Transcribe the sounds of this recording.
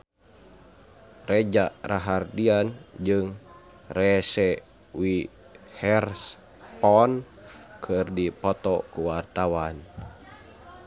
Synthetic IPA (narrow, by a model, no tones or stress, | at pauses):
rɛd͡ʒaʔɾaɦardiand͡ʒɨŋ | rɛsɛ | wi | hɛrs | pɔn | kʰɨrdipɔt̪ɔkuwart̪awan